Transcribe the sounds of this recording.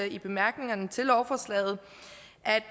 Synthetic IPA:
ib̥e̝mæɐɡ̥ne̝ŋɐnət͡sʰe̝lɒʊfɒslɛ̰ːð̩ˠ | ʔæd̥

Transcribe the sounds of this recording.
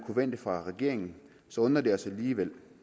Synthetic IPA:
kʰuʋen̰d̥əfʁɑ̈ʁɛɡ̥e̝ɐ̰e̝ŋn̩ | sɒ̽ɔ̽nɐd̥e̝ɒ̽sæliːʋel̰

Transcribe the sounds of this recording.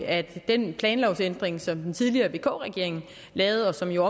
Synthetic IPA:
æd̥enpʰlɛːnlɒʊsend̥ʁeŋsɒ̽md̥ent͡sʰiðˠliɐːʋe̝̰ːkʰo̰̽ːʁɛɡ̥e̝ɐe̝ŋn̩ | lɛːʊð̞̩ˠɒ̽sɒ̽mjo̝ɒ̽

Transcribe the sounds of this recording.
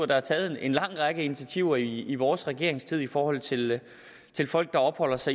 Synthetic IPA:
ɐd̥ɑ̈hæt͡sʰɛːð̩ˠene̝nlɑ̈ŋ̰ʁɑ̈ɡ̥əinit͡sʰæt͡sʰiʊ̰ɐiːʋɒːsʁɛɡ̥e̝ɐ̰eŋst͡sʰið̞̰ˠifɒːhɒ̽l̰t͡sʰe̝l | t͡sʰe̝lfɒ̽l̰ɡ̥̚d̥ɑ̈ɒ̽b̥hɒ̽l̰ɐsɑ̈ɪ

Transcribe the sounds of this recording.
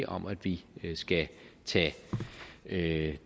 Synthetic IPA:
ʔɒ̽mæd̥ʋisɡ̥æt͡sʰɛ̰ | ø

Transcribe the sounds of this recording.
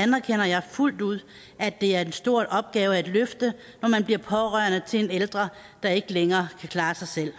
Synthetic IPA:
ænæɐkʰen̰ɐjɑ̈ɪful̰d̥uð̰ˠ | æd̥e̝æɐd̥ensd̥o̝ɐ̰dʔɒ̽b̥̚ɡ̥ɛːʊəæd̥løfd̥ə | nɒmænb̥liɐpʰɒ̽ʁɶɐ̰nət͡sʰe̝eneld̥ʁɐ | d̥ɑ̈e̝ɡ̥əleŋɐːkʰækʰlɑ̈ːsɑ̈ɪsel̰

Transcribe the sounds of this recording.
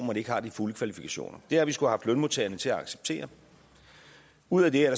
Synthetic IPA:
mɐd̥ie̝ɡ̥əhɑ̈d̥ifuləkʰʋælifikʰæɕo̝̰ːnɐd̥e̝ɐɐʋisɡ̥uhæɦɑ̈fd̥lœnmot͡sʰeːɐnət͡sʰe̝læɑ̈ɡ̥se̥b̥̚t͡sʰe̝̰ːɐ | uð̰ˠæd̥eæɐɾ̥ɑ

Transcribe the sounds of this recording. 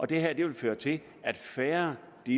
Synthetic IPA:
ʔɒ̽d̥e̝ɦæɐ̰d̥e̝ʋe̝lføːɐt͡sʰe̝l | æd̥fæːɐ | d̥i

